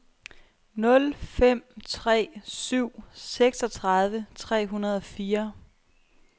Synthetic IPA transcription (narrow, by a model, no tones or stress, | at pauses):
nɔ̽lfem̰t͡sʰʁɛ̰ːsyʊ̰seɡ̥sɒ̽t͡sʰʁɑðˠʋət͡sʰʁɛ̰ːɦunɐð̞̩ˠɒ̽fiːɐ